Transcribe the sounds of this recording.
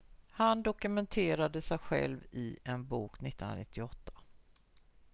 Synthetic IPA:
hand̪ɔkɵmɛnt̪ʰeːɾad̪əsɛjɧɛ̰lvɪɛnbuːknɪt̪ːəna̰nɪt̪ʰːɪɔt̪ʰːḁ

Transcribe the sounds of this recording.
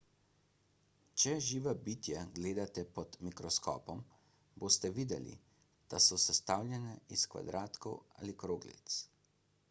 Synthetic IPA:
t͡ʃɛʒiːʋabiːt̪jaɡleːd̪at̪ɛpɔd̪mikɾɔskɔ̰ːpɔm | boːst̪ɛʋiːd̪ɛlḭ | d̪̥asɔsɛst̪aːwlʲjɛnɛiskʋa̰d̪ɾaːt̪kɔwa̰ːlikɾoːɡlḭt̪s

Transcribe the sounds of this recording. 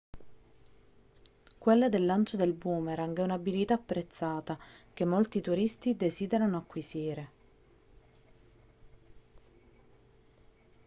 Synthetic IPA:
kwelːad̪elːant͡ʃod̪elbuːmeɾaŋɡɛunabilit̪aːpːɾet̪sːaːt̪ak̟emːolt̪it̪uɾist̪id̪eziːd̪eɾanoakːwiziːɾe

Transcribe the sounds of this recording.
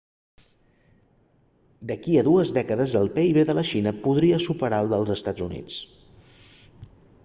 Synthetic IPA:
d̪əkiəðuəzðɛkəðəzəlˠpeiβeðələʃinəpuðɾiəsupəɾalˠd̪əlˠzəst̪ad͡zunḭt͡s

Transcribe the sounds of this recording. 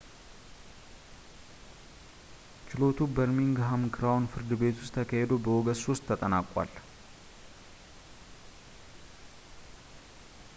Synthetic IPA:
t͡ʃɪlo̞t̪ʰubəɾmiŋɡɦamkʰɨɾawnfɨɾd̪ɨbe̞t̪ʊ̥st̪ʰːəkʰahed̪obəwoɡəsost̪ʰːət̪ʼənakʼa̰l

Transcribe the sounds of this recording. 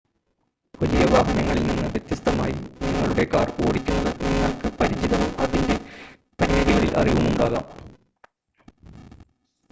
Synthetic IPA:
ʋɐlijɐʋaːɦɐnɐŋːɐɭilninːɨʋjet̪jɐst̪ɐmaːjḭniŋːɐɭuɽe̞kaːrko̰ːɽikʲːunːɐðɨniŋːɐɭkɨpɐɾit͡ɕiðɐʋumɐðinde̞ | pɐɾijɐðiɣɐɭilʔɐ̰riʋumuɳɖaːɣa̰ːm

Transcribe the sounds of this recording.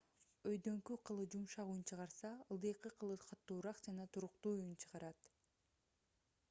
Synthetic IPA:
øjd̪ø̞ŋkyqʰɯlˠɯd͡ʒumʃɑʁuːnt͡ʃʰɯʁɑɾsɑɯlˠd̪ɯjqːɯqʰɯlˠɯqʰɑt̪ːuːɾɑqd͡ʒɑnɑt̪ʰuɾuqt̪uːujunt͡ʃʰɯʁɑɾɑt̪

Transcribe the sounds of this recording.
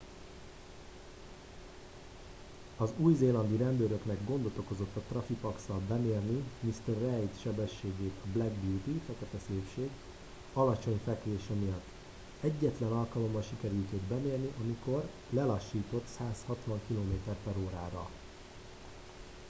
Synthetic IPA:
ɒzuːjzeːlɒnd̪iɾɛnd̪øːɾø̞knɛɡɡond̪o̞t̪o̞ko̞zo̞t̪ːɒt̪rɒfipɒksɒlbɛmeːrnimist̪ɛrːɛjt̪ʃɛbɛʃːeːɡeːt̪ʰɒblɛɡbjut̪ifɛkɛt̪ɛseːpʃeːɡ | ɒlɒt͡ʃo̞ɲfɛkleːʃɛmijɒt̪ː | ɛɟːɛt̪lɛnɒlkɒlo̞mːɒnʃikɛɾylt̪ød̪bɛmeːrniʔɒmiko̞r | lɛlɒʃːiːt̪o̞t̪saːshɒt̪ʋɒŋkiloːmeːt̪ɛrt̪ɛɾoːɾaːɾɒ̰

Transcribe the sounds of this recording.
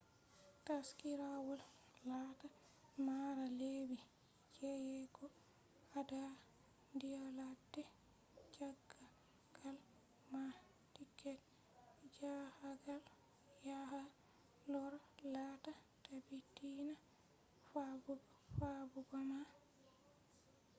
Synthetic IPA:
taskiɾawɔl | lata | maɾalebi | d͡ʒɛjɛɡɔ | ada | ndijaladːɛ | t͡ʃaɡːa | ɡ̥al | ma | tikːɛt | d͡ʒahaɡal | jaha | lɔɾlata | tabitina | fabuɡ | fabuɡama

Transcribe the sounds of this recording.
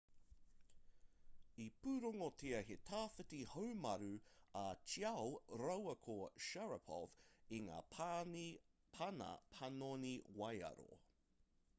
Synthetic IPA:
ipʉɾoŋotʰeɐhetʰaːfətihowmɐɾʉɐt͡ʃiɐwɾɐwɐkʰoʃɛɹɐpʰɔ̰viŋa̰ːi | pʰɐnɐ̰pʰɐnoniwɐjɐ̰ɾo̰

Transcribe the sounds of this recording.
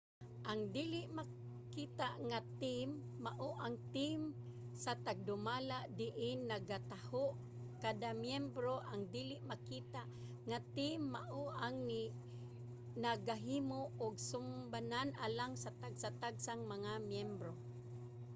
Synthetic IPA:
ʔaŋd̪ilɪʔma | kit̪aʔŋat̪imː | aʔoʔaŋt̪im | sat̪aɡ̚d̪ʊmalaʔd̪ɪʔɪnːaɡat̪ahoʔ | kad̪amjɛmbɾoʔaŋd̪ilɪʔmakit̪aʔ | ŋat̪imːaʔoʔaŋni | naɡaɦiːmoʔʊɡsʊmbananʔalaŋsat̪aɡsat̪aɡsaŋmaŋamjɛmbɾo

